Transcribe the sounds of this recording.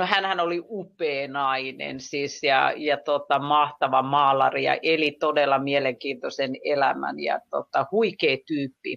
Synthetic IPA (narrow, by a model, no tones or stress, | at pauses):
nohænhænoliʔupeːnɑinḛnsisjɑ̰jɑt̪ot̪ɑmɑht̪ɑʋɑmɑːlɑ̰rijɑ̰ʔelit̪odelːɑmieleŋkiːnt̪osenelæmæ̰njɑ̰t̪ot̪ːɑhuikeːt̪yːpːḭ